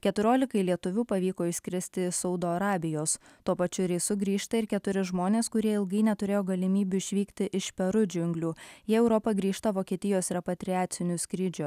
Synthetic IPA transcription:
kʲɛt̪ʊɾʲoːlʲɪkɐɪlʲiɛt̪ʊʋʲuːpɐʋʲiːkoːɪʃʲsʲkʲɾʲɪsʲt̪ʲɪsɒʊd̪oːɐɾɑːbʲɪjoːst̪uɔpɐt͡ʃʲʊɾʲɛɪsʊɡɾʲiːʃt̪ɐɪɾkʲɛt̪ʊɾʲɪʒmoːnʲeːskʊɾʲiɛɪlˠɡɐɪnʲɛt̪ʊɾʲeːjoːɡɐlʲɪmʲiːbʲʊɪʃʲʋʲiːkt̪ʲɪʔɪʃpʲɛɾʊd͡ʒʲʊŋʲɡlʲuːjiɛɛʊɾɔpɐɡɾʲiːʃt̪ɐʋoːkʲiɛt̪ʲɪjoːsɾʲɛpɐt̪ʲɾʲɪæːt̪sʲɪnʲʊsʲkɾʲid͡ʒʲʊ

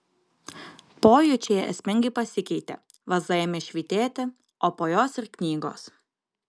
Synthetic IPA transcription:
poːjʊt͡ʃʲeːjɛʔɛ̰sʲmʲɪŋʲɡɐɪpɐsʲɪkʲɛɪt̪ʲḛ | ʋɐzɐjɛmʲɪʃʲʋʲiːt̪ʲeːt̪ʲɪ | oːpoːjoːsɪɾknʲiːɡo̰ːs

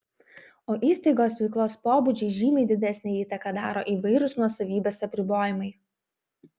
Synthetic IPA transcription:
oːʔiːsʲt̪ɐɪɡoːsʋʲɛɪklˠoːspoːbʊd͡ʒʲɛɪʒʲiːmʲɛɪd̪ʲɪd̪ʲɛsʲnʲɛiːt̪ɐkɐd̪ɑːɾo̰ːʔiːˑʋɐɪɾʊsnuɔsɐʋʲiːbʲeːsɐpʲɾʲɪboːjɪmɐɪ

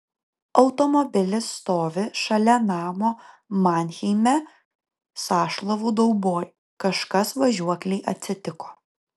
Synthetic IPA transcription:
ɒʊt̪ɔmɔbʲɪlʲɪsːt̪oːʋʲɪʃɐlʲɛnɑːmoː | mɑnʲxʲɛɪmʲɛ | sɑːʃlˠɐʋuːd̪ɐʊboːj | kɐʃkɐsʋɐʒʲuɔkʲlʲɛɪʔɐt̪ʲsʲɪt̪ʲɪkoː

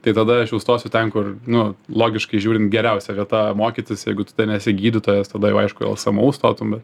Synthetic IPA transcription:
t̪ɐɪt̪ɐd̪ɐɐʃjɛʊst̪oːsʲʊt̪ʲɛnkʊrnʊlˠoːɡʲɪʃkɐɪʒʲuːɾʲɪnt̪ɡʲɛɾʲɛʊsʲɛʋʲiɛt̪ɐmoːkʲit̪ʲɪsjɛɪɡʊt̪ɐd̪ɐnʲɛsʲɪɡʲiːd̪ʲɪt̪oːjɛst̪ɐd̪ɐjɛʊɐɪʃkʊɛ̰lˠsɐmɐʊst̪oːt̪ʊmbʲɛt̪

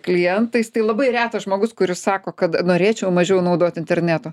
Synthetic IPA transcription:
klʲɪjɛnt̪ɐɪst̪ɐɪlˠɐbɐɪɾʲæːt̪ɐsʒmoːɡʊskʊɾʲɪssɑːkoːkɐt̪noːɾʲeːt͡ʃʲɛʊmɐʒʲɛʊnɐʊd̪oːt̪ɪnʲt̪ʲɛɾʲnʲæːt̪oː

